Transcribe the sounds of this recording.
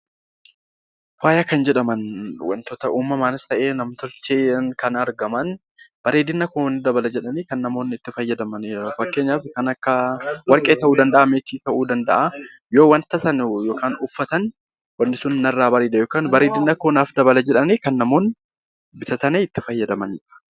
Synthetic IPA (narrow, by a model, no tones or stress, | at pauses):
waːjɐkɐnd͡ʒɛᶑɐmɐnwɐ̰nt̪ɔt̪ɐʔuːmːɐmaːnɪst̪ɐʔe̞ːnɐmt̪ɔɾt͡ʃːeːnkɐnɐɾɡɐmɐn | b̥ɐɾeːd̪ɪnːɐkoːnːɪd̪ɐbɐlɐd͡ʒɛᶑɐneːkɐnːɐmoːnɪt̪ːɪfɐjːɐd̪ɐmɐneɾɐfɐkːeːɲːaːfkɐnɐkːɐwɐɾkʼeːt̪ɐʔuːd̪ɐnd̪ɐʔɐmeːt͡ʃiːt̪ɐʔuːd̪ɐnd̪ɐ̰ʔɐ | jo̞ːwɐnt̪ɐsɐnjo̞ːkaːnʊfːɐt̪ɐn | wɐnːɪsʊnːɐrːaːbɐɾeːd̪ɐjoːkaːnbɐɾeːd̪ɪnːɐkoːnaːfd̪ɐbɐlɐd͡ʒɛᶑɐneːkɐnːɐmo̞ːn | bɪt̪ɐt̪ɐneːɪt̪ːɪfɐjːɐd̪ɐmɐnɪᶑɐ̥